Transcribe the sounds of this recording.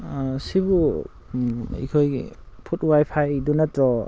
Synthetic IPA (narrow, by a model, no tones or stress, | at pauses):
sibu | ḭkʰojpʰutwajpʰajdunatɾɔ